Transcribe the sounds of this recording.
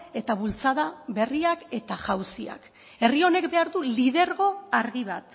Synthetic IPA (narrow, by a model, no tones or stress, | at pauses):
e̞t̪aβult͡sað̞aβe̞riake̞t̪aʝawsia̰k | e̞rio̞ne̞kbe̞aɾðulið̞e̞ɾɣo̞aɾɣiβat̪